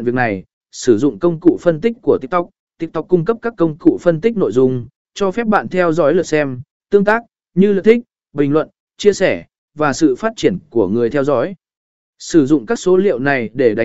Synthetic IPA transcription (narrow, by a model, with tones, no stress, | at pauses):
nvi˨˩ək̚na˨˩j | sɨ˧˩zʊ̰˧˨ŋ͡mkə˧wŋ͡mkṵ˧˨fə˧nt̪ï˦˥k̟̚ku˧˩ət̪i˦˥ək̚t̪wk͡p̚t̪i˦˥ək̚t̪a˨˥wk͡p̚kʊ˧ŋ͡mkə˦˥p̚kaː˦˥kːə˧wŋ͡mkṵ˧˨fə˧nt̪ï˦˥k̟̚no̰˧˨jzʊ˨˩ŋ͡m | t͡ɕɔ˧fɛ˦˥p̚ɓa̰ː˧˨nt̪ʰɛ˧wzɔ̰˨˦jlə˨˩t̚sɛ˧m | t̪ɨ˧əŋt̪aː˦˥k̚ | ɲɨ˧lɨ̰˧˨t̪ï˦˥k̟̚ | ɓï˨˩ŋ̟lwə̰˧˨n | t͡ɕi˧əsɛ˧˩ | vaː˨˩sɨ̰˧˨faː˦˥t̚t͡ɕi˧˩ənku˧˩əŋɨ˨˩əjt̪ʰɛ˧wzɔ̰ː˨˦j | sɨ˧˩zʊ̰˧˨ŋ͡mkaː˦˥k̚so˨˦lḭ˧˨əwna˨˩jɗe˧˩ɗa˨˦